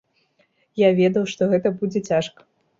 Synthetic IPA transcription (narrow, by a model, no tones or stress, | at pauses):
javʲɛd̪ɐwʂt̪ɔɣɛt̪ɐbud͡zʲɛt͡sʲaʂkɐ̥